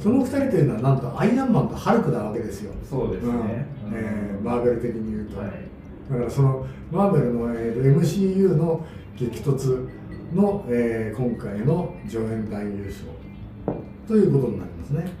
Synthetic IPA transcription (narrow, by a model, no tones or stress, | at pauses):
so̞no̞ɸɯ̥t̪aɾʲit̪o̞jɯ̟noanãnt̪o̞ʔaiãmbãnɡ̪ahaɾɯ̟kɯ̟naβ̞ake̞d̪e̞sɨjo̞̰soːd̪eɯ̃ːeːmaːɡeɾɯ̟t̪e̞kʲiɲ̟ijɯ̟ːt̪o | d̪akaɾaso̞no̞ | baːɡeɾɯ̟no̞eːt̪ːoe̞mɯ̟ɕiːjɯ̟ːno̞ | ɡe̞kʲi̥t̪o̞t͡sɨ | no̞eːkõ̞ŋkaino̞d͡ʑo̞ːẽ̞nd̪aijɯ̟ːɕo̞̰ː | t̪o̞jɯ̟ːko̞t̪o̞ɲ̟ina̰ɾʲimasɨne̞